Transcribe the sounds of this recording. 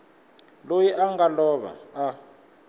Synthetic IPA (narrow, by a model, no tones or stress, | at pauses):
lojiʔaŋɡalɔβa̰a